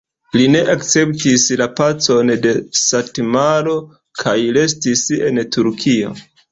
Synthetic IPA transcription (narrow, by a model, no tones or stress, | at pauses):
line̞ʔakt͡se̞ptislapat͡so̞nde̞satemaɾo̞ | kʰajle̞stise̞ntuɾkʰio̞̰